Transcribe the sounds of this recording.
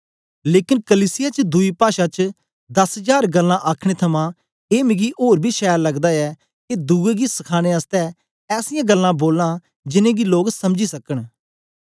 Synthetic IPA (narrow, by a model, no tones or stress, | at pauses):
leːkɪnkəliːsɪjaːt͡ʃd̪ʊiːpaːʃãːt͡ʃ | d̪əsɦəd͡ʒaːɾɡəlːãːʔaːkʰɽ̃et̪ʰɐmãː | eːmɪɡiːʔoːɾbʱiːʃɛːəɾləɡd̪aːɛː | ked̪uːeːɡiːsəkʰaːɽ̃eːəst̪ɛː | ɛːsɪjãːɡəlːãːboːlnãː | d͡ʒɪnẽːɡiːloːɡsəmd͡ʒiːsəkəɳ̃